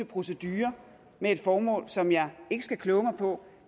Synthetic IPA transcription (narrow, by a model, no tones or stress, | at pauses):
əpʰʁo̝səd̥yːɐ | mee̝d̥fɒːmɔ̰̽ːlsɒ̽mjɑ̈ɪe̝ɡ̥əsɡ̥ækʰlɔ̽ːʊmɑ̈ɪpʰɒ̽